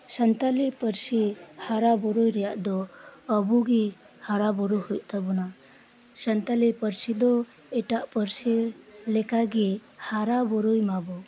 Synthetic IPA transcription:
sənt̪alipəɾsihaɾabɔɾujɾɛjaʔd̪ɔːbuɡi | haɾabɔɾujhujʔ̚t̪ʰabɔna | sənt̪alipəɾsid̪ɔ | ɛʈaʔpəɾsilɛkaɡihaɾabɔɾujmabɔ

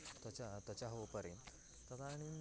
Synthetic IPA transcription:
t̪ət͡ɕat̪at͡ɕaɦoʋpəɾḛnt̪ | t̪at̪aɽ̃in

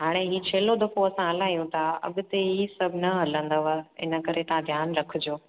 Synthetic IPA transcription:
ɦaːɽ̃eɦiːt͡ɕʰeːlod̪ɐfoɐsãɦɐlaːijũt̪ʰaɐ̰ɠʊt̪eɦiːsɐbʱɪnɐɦɐlə̃nd̪əʋəɪ̰nə̆kɐɾet̪ãd̪ʱjaːnɾɐkʰʊd͡ʑoː

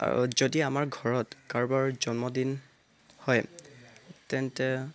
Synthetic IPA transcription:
a̰ɹṵzodiamaɹɡʱɔɹɔtkaɹbaɹzɔnmɔdin | hɔj | tɛntɛ

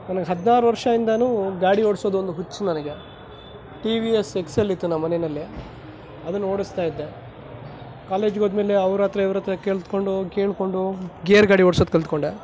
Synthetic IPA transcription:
nɐnɐɡeɦɐd̪naːɾuʋɐɾʂɐind̪ɐnuːɡaːɽioɽso̞ːd̪uond̪uɦut͡ʃːunɐnɐɡe̞ | ʈiʋiese̞kselːit̪ːunɐmmːɐnenɐlːi | ɐd̪ɐnːoːɽist̪aːjid̪ːe̞ | kaːle̞ːd͡ʒɡod̪me̞ːleɐʋɾaːt̪ɾɐiʋɾɐt̪ːɐkeɭt̪ko̞ɳɖuɡeːɳko̞ɳɖuɡeːɐɾɡaːɽioɽsod̪̚keɭt̪koɳɖe

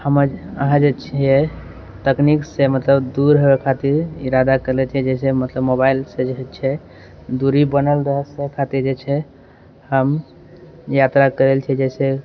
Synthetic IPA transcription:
həməɾə̰ɦãd͡ʒet͡ʃʰɛ | t̪əkniksemət̪ləbd̪uɾɦəbekʰat̪iɾḭɾad̪akəɾlet͡ʃʰɛd͡ʒɛsemət̪ləbmobailsed͡ʒet͡ʃʰɛ | d̪uɾibənəlɾəɦəsekʰat̪iɾd͡ʒet͡ʃʰɛ | həm | jat̪ɾakəɾelt͡ʃʰɛd͡ʒɛse

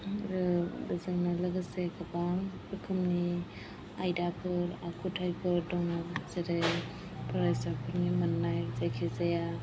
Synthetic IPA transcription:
ɾɯbɯzɯŋnalaɡɯsekʰabampʰɯkʰɯmni | ajdapʰɯɾakʰutʰajpʰɯɾdɔŋɯɾseɾe | pʰaɾajsapʰɯɾnimanːajzajkʰizaja

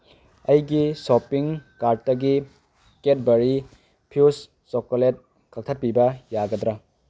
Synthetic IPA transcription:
ɐjɡisopiŋkaɾ̚tɐɡi | ket̚bɐɾi | pʰjus | sɔkolet̚ | kʰak̚tʰɐt̚pibɐjaɡɐdɾɐ

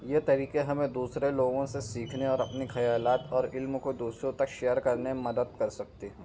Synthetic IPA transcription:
jeːt̪ɐɾiːqeɦɐmẽd̪uːsɾeloːɡõsesiːkʰneɔːɾɐpnixɐjaːlaːt̪ɔːɾɪlmkod̪uːsɾõt̪ɐkʃeːjəɾkɐɾnemɐd̪əd̪̚kɐɾsɐk̚t̪eɦɛ̃ː

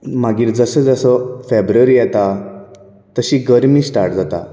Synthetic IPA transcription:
maɡiːɾd͡zəsəd͡zəsɔfebɾuəɾijɛt̪a | t̪əɕiːɡəɾmiːsʈaɾʈd͡zat̪a̰

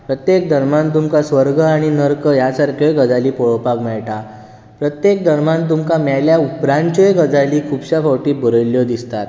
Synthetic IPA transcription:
pɾət̪jek̚d̪ʱəɾmãnt̪̬umkasʋəɾɡʱəaɽ̃inəɾkəjasaɾkʰjəjɡəd͡zaliːpɔɭɔpakmɛɭʈa | pɾət̪jek̚d̪ʱəɾmãnt̪̬umkamajljaupɾãnt͡ɕəjɡəd͡zaliːkʰubɕafɔwʈiːbʱəɾəjljɔd̪ist̪at̪

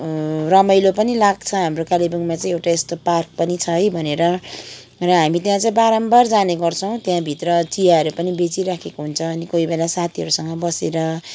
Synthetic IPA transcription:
rʌmʌjlopʌnilaɡt͡sʰʌɦamrokalibʌŋmat͡sãĩewʈaest̪opark̚pʌnit͡sʰʌjbʱʌneɾʌ | rʌɦamit̪jãt͡saĩbaɾʌmbʌrd͡zaneɡʌrt͡sʰʌw̃t̪jãbʱit̪rʌt͡sijaɦʌɾupʌnibet͡siɾakʰekoɦunt͡sʰʌːnikoibelasat̪ʰiʌɾusʌŋɡʌbʌseɾʌ

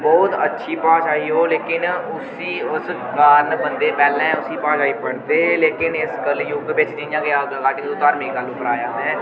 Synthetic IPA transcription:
bɔːʊt̪ə̰tːʃʰipãːt͡ʃaːiɦoleːkɪnʊsiʊs | kaːɾnbə̃nd̪epɛːlɛ̃ʊsipãːʃaːipɐɽt̪eleːkɪnɪskəljuːkbeːt͡ʃtĩd͡ʒãkeakaːʈikʊt̪aːɾmẽkaːlʊːpəɾaːjaːɦɛ̃ː

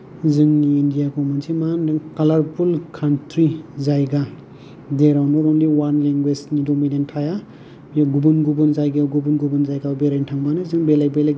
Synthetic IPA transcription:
zɯŋːndijakɔmunsimandɯŋkalaɾpʰulkʰantɾizajɡa | deɾawnɔɾɔmliwanleŋɡwed͡ʒnidɔmidentʰaja | jaɡubunɡubɯnzajɡaɡubunɡubɯnzajɡabeɾajntʰaŋbanɯzɯŋbelajbelaj

